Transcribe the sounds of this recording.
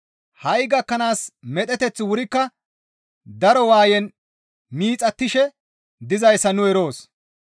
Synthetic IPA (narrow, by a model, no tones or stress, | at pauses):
hɐjɡɐkːɐnaːsmɛt̪ʼɛt̪ɛt͡sːɪwʊɾɪkːɐ | d̪ɐɾɔwaːjɛn | miːt͡sʼɐt̪ːɪʃɛ | d̪ɪzɐjsːɐnʊɛɾo̞ːs